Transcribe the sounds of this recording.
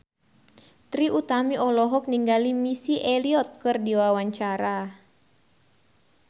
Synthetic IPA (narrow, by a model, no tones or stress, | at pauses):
t̪ɾiʔut̪amiʔɔlɔɦɔk̚niŋɡalimisiʔɛliɔt̪̚kɨrdiwawaɲt͡ʃaɾa